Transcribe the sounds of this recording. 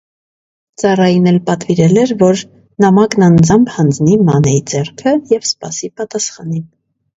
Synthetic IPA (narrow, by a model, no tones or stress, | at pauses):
t͡sɑrɑjinɛlpɑt̪viɾɛlɛɾvɔɾ | nɑmɑknɑnd͡zɑmbʰhɑnd͡znimɑnɛjid͡zɛrkʰəjɛvspɑ̰sipɑt̪ɑsχɑnin